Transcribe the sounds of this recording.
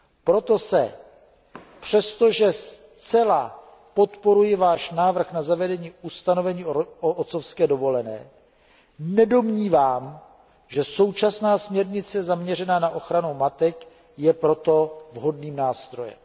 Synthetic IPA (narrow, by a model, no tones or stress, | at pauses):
pɾo̞t̪o̞sɛ | pr̝̥ɛst̪o̞ʒɛs | t͡sɛla | po̞t̪po̞ɾujɪvaːʃnaːvr̩xnazavɛdɛɲiːust̪ano̞vɛɲiːoʔot̪t͡so̞fskɛːdo̞vo̞lɛnɛ̰ː | nɛdo̞mɲiːvaːm | ʒɛso̞wt͡ʃasnaːsmɲɛɾɲɪt͡sɛzamɲɛrɛnaːnaʔo̞xɾanumat̪ɛk | jɛpɾo̞t̪o̞vɦo̞dniːmnaːst̪ɾo̞jɛ̰m